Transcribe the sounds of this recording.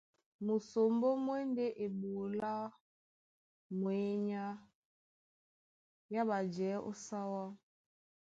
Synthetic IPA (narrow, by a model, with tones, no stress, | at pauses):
mu˨so˨mbo˦mwɛ˦nde˦ʔe˨ɓu˨la˦ | mwe˨˦ɲa˦ | ja˦ɓa˨d͡ʒɛ˨˦ʔo̰˦sa˦wa˦